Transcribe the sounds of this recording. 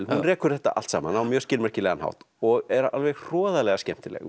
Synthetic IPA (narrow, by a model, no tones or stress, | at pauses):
lhunrɛːkʏɾ̥θɛht̪a̰ʔa̰l̥t̪saːma̰nawmjœɾ̥scɪlmɛr̥cɪlɛɣanha̰wht̪ | ɔɣɛɾalvɛɣr̥ɔːðalɛɣascɛm̥t̪ɪlɛ̰ɣ